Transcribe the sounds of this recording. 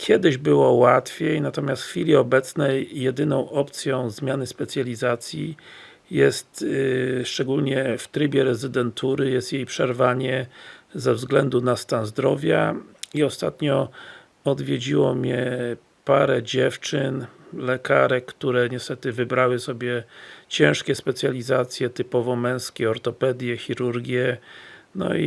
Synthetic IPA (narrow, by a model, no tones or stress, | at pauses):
kʲʰjɛd̪ɘʑbɘwɔwat̪fʲjejnat̪ɔmʲast̪xfʲilʲiɔbɛt̪snɛjːɛd̪ɘnɔ̃w̃ʔɔpt̪sʲjɔ̃w̃zmʲjanɘspɛt̪sʲjalʲizat̪sʲji | jɛst̪ʂt͡ʂɛɡulɲɛft̪ɾɘbʲɛɾɛzɘd̪ɛnt̪ʰuɾɘjɛst̪jejpʂɛɾvaɲɛzɛvzɡlɛnd̪unast̪anzd̪ɾɔvʲjaiɔst̪at̪ɲɔ | ɔd̪vʲjed͡ʑiwɔmɲɛ | paɾɛd͡ʑɛft͡ʂɘnlɛkaɾɛkkt̪uɾɛɲɛst̪ɛt̪ɘvɘbɾawɘsɔbʲjɛt͡ɕɛ̃w̃ʂkʲɛspɛt̪sʲjalʲizat̪sʲjɛt̪ɘpɔvɔmɛ̃w̃skʲɛɔɾt̪ɔpɛd̪jɛxʲiɾuɾɡʲjɛnɔ̰ḭ